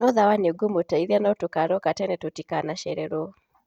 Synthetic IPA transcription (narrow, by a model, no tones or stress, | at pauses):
nɔðawaneɡomotaiðianɔtokaɾɔkatɛnɛtotikanaʃɛɾɛɾɔ